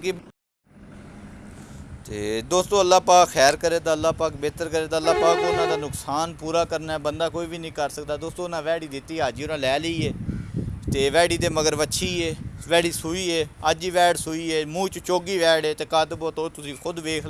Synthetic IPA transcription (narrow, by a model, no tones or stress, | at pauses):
t̪eːd̪oːst̪õːəlːaːpaːkxʰɛːɾkəɾeːt̪aːəlːaːpaːkbeːt̪əɾkəɾeːt̪aːlːaːpaːkoːnãːd̪aːnʊksaːnpuːɾaːkəɾnaːɛbənd̪aːkoːiːbiːnĩːkəɾsək̚d̪aːd̪oːst̪õːʊnãːʋɛːɽiːd̪ɪt̪ːiːəːd͡ʒiːʊnãːlɛːləiːeː | t̪eːʋɛːɽiːd̪eːməɡəɾʋətːʃʰiːeːʋɛːɽiːsʊiːeːəd͡ʒiːʋɛːɽsʊiːeːmũːt͡ʃt͡ʃoːɡiːʋɛːɽeːt̪eːkaːt̪boːt̪õːt̪ʊsĩːxʰʊd̪ʋeːkʰ